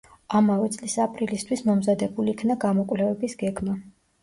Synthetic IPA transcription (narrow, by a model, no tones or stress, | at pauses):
amavɛt̪sʼlisapʼɾilist̪ʰwismɔmzad̪ɛbuliːkʰnaɡamɔkʼvlɛvɛbisɡɛɡma